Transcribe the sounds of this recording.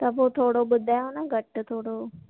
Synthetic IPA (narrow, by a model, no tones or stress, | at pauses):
t̪ɐpoːt̪ʰoːɽoɓʊd̪ʱaːjonɐɡʱɐʈt̪ʰoːɽo